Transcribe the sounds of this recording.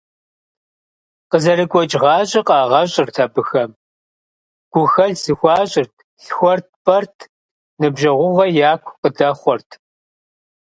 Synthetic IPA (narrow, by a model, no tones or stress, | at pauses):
qəzɐɾɨɡʷɔt͡ʃʼʁɑːɕʼɪqʼɑːʁɐɕʼɪrtʰɐbɨxɐm | ɡ̥ʷʊxɐɮz̥ɨxʷɑːɕʼɪrtʰ | ɬxʷɔrt̚ʰpʼɐrtʰ | nɨbʒɐʁʷʊʁɐjaːkʷʰqədɐχʷɔrtʰ